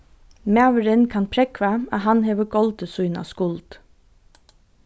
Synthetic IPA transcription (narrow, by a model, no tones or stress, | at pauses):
mæːʋəɾənkʰɑnpʰɾɛkʰʋæɑɦɑnheːʋəɡ̥ɔld̪əsʉʏnɑ̰ːskʊld̪̥